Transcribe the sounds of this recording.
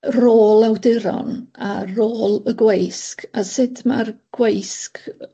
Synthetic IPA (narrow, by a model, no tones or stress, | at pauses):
roːlˠawdɪɾɔ̰naroːlˠəɡwejskʰasɪdmarɡ̥wejsk